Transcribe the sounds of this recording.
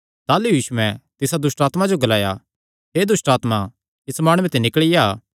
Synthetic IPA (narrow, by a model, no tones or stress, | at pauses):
t̪aːlujiːʃuɛ̃t̪ɪsad̪ʊsʈaːt̪mad͡ʒoɡɐlaːja̰ | ɦed̪ʊsʈaːt̪ma | ɪsmaːɽ̃uːɛ̃t̪enɪkəɭɪja